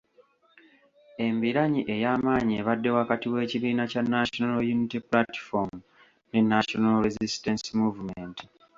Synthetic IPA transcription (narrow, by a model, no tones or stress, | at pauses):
e̞mbiɾaɲiʔe̞jaːmaːɲieβadːe̞wakatiwe̞ːciβiːnacanːaʃonaljunitiplati̥fomu | ne̞nːaʃonalɾezistensimuvumenti